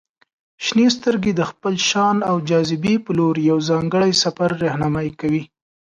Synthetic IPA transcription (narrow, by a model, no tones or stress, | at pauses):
ʃnest̪əɾɡed̪əxpəlʃɑnawd͡ʒɑzɪbepəloɾjawzɑŋɡəɽajsafaɾːahnɑmajkawi